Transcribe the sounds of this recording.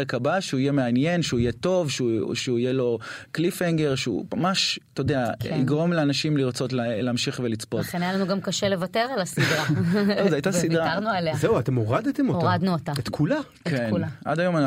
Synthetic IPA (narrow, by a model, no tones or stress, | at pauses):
ekabaʃeuijeme̞anje̞nʃeuijet̪o̞vʃuʃeuijelo̞klifeŋɡe̞ʁʃeṵmamaʃt̪ood̪eaḭɡʁo̞mleanaʃimliʁt͡so̞tlleːmʃiχvelit͡spotχenjalanuɡamkaʃelevateʁalasid̪ʁaozeajt̪azsiddʁaaʁnualeazeuat̪emoʁad̪et̪emooʁad̪nuot̪aet̪kʰula | kenʔa̰dajo̞mana